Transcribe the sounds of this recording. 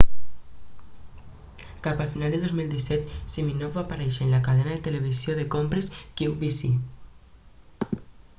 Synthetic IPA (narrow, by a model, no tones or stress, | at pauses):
kapafinald̪eðozmild̪isɛt̪siminovβapaɾeʃenlakaðenaðet̪eleβ̞isjoðekompɾeskuwβisi